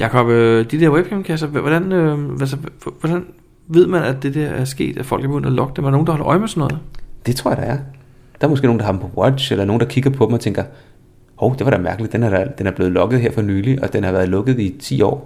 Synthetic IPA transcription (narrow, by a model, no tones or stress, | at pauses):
jɑ̈kʰɒm̥d̥id̥ɛɐweb̥̚kʰɑmkʰæs̬ɐʋɒɾ̥ænøælsɐʋɒɾ̥æn | ʋe̝ð̞̰ˠmænæd̥e̝d̥æɐʔæɐsɡ̥e̝̰ːd̥æfɒ̽l̰ɡ̥ɐb̥ɡø̰n̰̥ɐlɒ̽ɡ̥əd̥emæɐɾɑnoːn̩dɑhɒ̽lɐʔɒ̽ɪ̰mesɒnɔ̽ːð̩ˠd̥e̝t͡sʰʁoɐ̰d̥ɑ̈æɐ | d̥ɑ̈ɐmosɡ̥e̝̰noːnd̥ɑɦɑ̈d̥m̩pʰɒ̽wɒɕelɐno̝ːn̩d̥ɑ̈kʰiɡ̥ɐpʰɒ̽dem̩ɒt͡sʰeŋɡ̥ɐ | hoʊd̥e̝ʋɑɾ̥æmæɐɡ̥əlid̥enhɑ̥d̥enæɐb̥le̝ːð̩ˠlɒ̽ɡ̥ð̩ˠe̝ɐ̰fɒ̽nyːliʔɒ̽d̥enhɑ̈ʋæːɐðˠlɔ̽ɡ̥ð̞̩ˠit͡sʰḭːɒ̰ː